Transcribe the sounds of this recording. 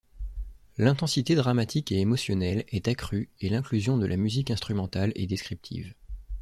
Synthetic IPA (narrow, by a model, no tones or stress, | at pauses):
lɛ̃t̪ɑ̃sit̪ed̪ʁamat̪ʰikeemɔsjɔnɛlɛt̪akχyelɛ̃klyzjɔ̃d̪əlʔamyzikɛ̃st̪χymɑ̃t̪alɛ̰d̪eskχip̚t̪ʰḭv